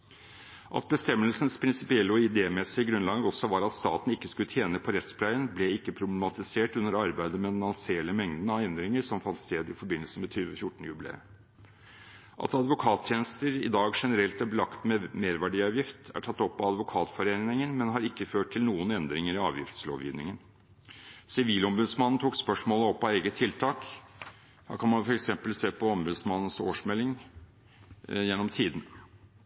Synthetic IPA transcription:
ʔɑ̰t̪̚bəst̪ɛmːəlsən̩spʰɾɪnsɪpɪɛlːəɔɪd̪eːmɛsɪəɡɾʉnlɑːɡəɾɔsɔʋɑɾɑt̪st̪ɑ̰ːt̪n̩ɪkːəskʉlːət̪ʰjeːnəpʰɔɾɛt̪spʰlæɪənblɛɪkːəpʰɾʊblɛmɑt̪ɪseːʈʉnːəɾɑɾbæɪd̪əmɛnɑnseːləmɛŋd̪ənəɑɛnd̪ɾɪŋəɾʂɔmfɑnt̪st̪eːd̪ɪfɔɾbɪnəlsəmɛt̪ʰyːʋəfjʊʈːəɳ̩əjʉblḛː | ʔɑ̰t̪ɑd̪ʋʊkʰɑːt̪ʰjeːnəst̪əɾɪ̰d̪ɑːɡʂɛnəɾɛlt̪æbəlɑkt̪mɛmeːɾʋæɖiːɑːʋjɪft̪æ̰ʈʰɑt̪ːɔpːɑɑd̪ʋʊkʰɑːt̪fɔɾeːnɪŋənmɛnɦɑɾɪkːəføːʈ̚ʰɪlnuːənɛnd̪ɾɪŋəɾɪɑ̰ːʋjɪ̰ft̪slo̰ːʋjḭːʋnɪŋən | sɪʋiːlɔmbʉd̪smɑnn̩t̪ʰuːkspœʂmoːləɔpːɑeːɡət̪ʰːɪlt̪ʰɑːk | hæ̰ːkʰɑnmɑnfɔɾɛksɛmpəlseːpʰɔɔmbʉd̪smɑnːən̩so̰ːʂmɛlːɪŋ | jɛnːɔmt̪ʰiːd̪n̩

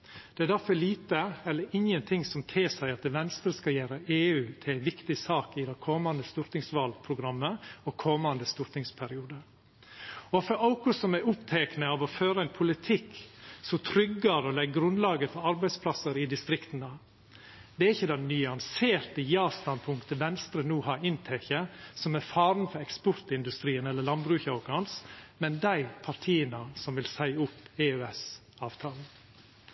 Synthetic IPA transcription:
d̪̥ɛæd̪æɾfɔliːt̪əɛlːəɾɪŋjənt̪ʰɪŋsɔmt̪ʰeːsæɪɑt̪̚d̪ɛʋɛnst̪ɾəskɑljæːɾəʔeːʉːt̪ʰɪlæɪʋɪkt̪ɪsɑːkɪd̪ɛkʰɔmːɑnd̪əst̪ʊɾt̪ɪŋsʋɑlpʰɾʊɡɾɑmːəɔkʰɔmːɑnd̪əst̪ʊɾt̪nɪŋspʰæɾɪuːd̪əɾ | ɔfɔɾaʊkʊsɔmæʊpt̪ʰeːknəɑʋɔføːɾəæɪnpʰʊlɪt̪ʰɪkːsɔt̪ʰɾʏɡːəɾɔlɛɡɡɾʉnd̪lɑːɡəfɔɾɑɾbæɪspʰlɑsəɾɪd̪ɪst̪ɾɪkt̪ənə | d̪ɛæɾɪçːəd̪ɑnyːɑnseːɾt̪əjɑːst̪ɑnpʰʊŋkt̪əʋɛnst̪ɾənuːhɑɾɪnt̪ʰɛçəsɔmɛɾfɑːɾn̩fɔɾɛkspɔɾt̪ɪnd̪ʉst̪ɾiːənɛləɭɑnbɾʉːçɑʊkɑnsmɛnd̪æɪpʰɑɾʈ̪ʰiːənəsɔmʋɪlsæɪʊpːeːøɛs | ɑːʋt̪ʰɑːlə

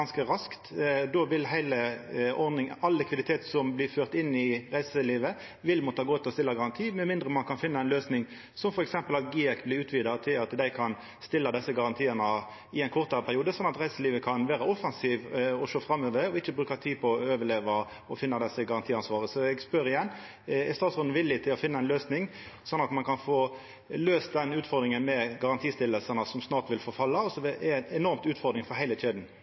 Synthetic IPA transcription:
nskəɾɑskt̪d̪oʋɪlɦæɪləɔʁd̪ɪŋɑlːɛkʰʋɪd̪ɪt̪ʰeːt̪sɔmblɪʁføːʁt̪ɪnːɪɾæɪsəliːʋə | ʋɪlmɔt̪ːɑɡoːt̪ʰːɪlɔst̪ɪlːɑɡɑʁɑnt̪ʰiːmɛnmɪnd̪ɾəmɑnkʰɑnfɪnːɑɛnløːsnɪŋ | sɔmfɔɾɛksɛmpəlɑt̪̚ɡiːɛkblɪʉːt̪ʋiːd̪ɑt̪ʰɪlɑt̪d̪æɪkʰɑn | st̪ɪlːɑd̪ɛsːəɡɑʁɑnt̪ʰiːənə | ɪɛɪnkʰɔʁt̪ɑpʰæɾɪuːd̪əsɔnːɑt̪ʁæɪsəliːʋəkʰɑnʋæːɾəɔfɑnsiːʋɔʂoːfɾɑmːøːʋəɾɔɪçːəbɾʉːkɑt̪ʰiːpʰɔɔøːʋəɭeːʋɑ | ɔfɪnːɑd̪ɛsːəɡɑʁɑnt̪ʰiːɑnsʋɑːʁəsɔɛɡspœɾɪjɛnː | ɛst̪ɑːt̪sʁʊnn̩ʋɪlːɪt̪ʰɪlɔfɪnːɑɛɪnløːsnɪŋ | sɔnːɑt̪mɑnkʰɑnfoː | løːst̪̚d̪ɛnʉːt̪fɔɾd̪ɾɪŋənmɛɡɑʁɑnt̪ʰiːst̪ɪlːəlsənəsɔmsnɑːʁt̪ʋɪlfɔfɑlːɑɔsɔʋɛɛnɛnɔɾmt̪ʉːt̪fɔʁd̪ɾɪŋfɔɦæɪləteːd̪n

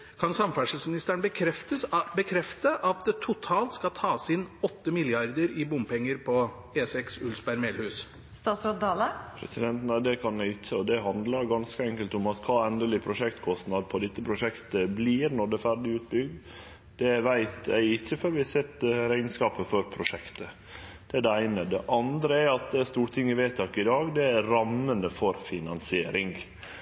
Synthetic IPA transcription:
kʰɑnsɑmfæʂəl̩smɪnɪst̪æɳbəkʰɾɛft̪əbəkʰɾɛft̪əʔɑt̪̚d̪ɛt̪ʰʊt̪ʰɑːlt̪skɑlt̪ʰɑːsɪnɔt̪ːəmɪlɪɑɾd̪əɾɪbʊmpɛŋːəɾpʰɔ | eːsɛksʉlsbæɾmeːlhʉːs | st̪ɑːsɔt̪d̪ɑːləpʰɾɛ̰sɪd̪ɛnt̪næd̪ɛkʰɑnæɪɪçːəɔd̪ɛɦɑnd̪ləɾɡɑnskəɛŋkəlt̪ʊmɑt̪kʰɑːɛnd̪əlɪpʰɾʊʂɛkt̪kʰɔst̪nɑd̪̚pʰɔd̪ɛt̪ːəpʰɾʊʂɛkt̪əbliːɾnɔɖ̪ɛfæɾɖɪʉːt̪̚bʏɡd̪ | d̪̥ɛʋæɪt̪æ̰ɪɪçːəføɾʋɪhɑsɛt̪ːɾæɪnskɑːpəfɔɾpʰɾʊʂɛkt̪ə | d̪̥ɛæɖɛæɪnəd̪ɛʔɑnd̪ɾəæɾɑt̪̚d̪ɛæst̪uːɾʈ̪ʰɪŋːəʋet̪ʰːɑkɪd̪ɑːɡd̪ɛæɾɑmːənəfɔɾfɪnɑnsɪeːɾɪŋ

